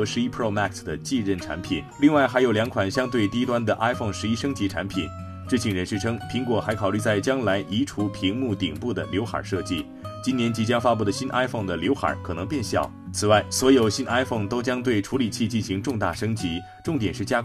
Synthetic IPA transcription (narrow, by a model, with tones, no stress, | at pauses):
ʂɻ̩˥i˥pʰɹo˥˧ʊma˥˧ksd̪ə˩t͡ɕi˥˧ɻə˥˩nʈ͡ʂʰa̰˧˥npʰḭ˨˩˦nli˥˧ŋwa˥˩ɪxa˧˥ɪjo˨˩ʊljɑ˧˥ŋkʰwa˨˩nɕjɑ˥ŋt̪we˥˩ɪt̪i˥t̪wa˥nd̪ə˨ʔa˥ɪfo˥˩ŋʂɻ̩˧˥i˥ʂɤ˥ŋt͡ɕi˧˥ʈ͡ʂʰa̰˧˥npʰi˨˩n | ʈ͡ʂɤ˥˩t͡ɕʰi˥˩ŋɻə˧˥nʂɻ̩˥˩ʈ͡ʂʰɤ˥ŋpʰi˧˥ŋkwɔ˨˩xa˧˥ɪkʰɑ˨˩ly˥˧t͡sa˥˩ɪt͡ɕjɑ˥ŋla˧˥ɪʔi˧˥ʈ͡ʂʰu˧˥pʰi˧˥ŋmu˥˩t̪i˨˩ŋpu˥˩d̪ə˩ljo˧˥ʊxa̰˨˩ʂɤ˥˧t͡ɕi˥˩ | t͡ɕi˥njɛ˧˥nt͡ɕi˧˥t͡ɕjɑ˥ŋfa˥pu˥˩d̪ə˩ɕi˥nʔa˥ɪfo˥˩ŋd̪ə˩ljo˧˥ʊxa̰˨˩˥kʰɤ˨˩ɤ˧˥ŋpjɛ˥˧nɕjɑ̰˨˩˦ʊt͡sʰɹ̩˨˩wa˥˩ɪswɔ˧˥jo˨˩ʊɕi˥nʔa˥ɪfo˥˩ŋt̪o˥ʊt͡ɕjɑ˥ŋt̪we˥˩ɪʈ͡ʂʰu˧˥li˨˩t͡ɕʰi˥˧t͡ɕi˥˩nɕi˧˥ŋʈ͡ʂʊ˥˧ŋt̪a̰˥˩ʂɤ˥ŋt͡ɕi˧˥ | ʈ͡ʂʊ˥˩ŋt̪jɛ˨˩nʂɻ̩˥˩t͡ɕja˥